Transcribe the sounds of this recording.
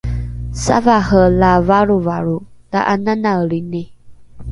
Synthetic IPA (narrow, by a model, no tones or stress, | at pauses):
sa̰vahəlavaɾuvaɾud̥aʔananaəɭini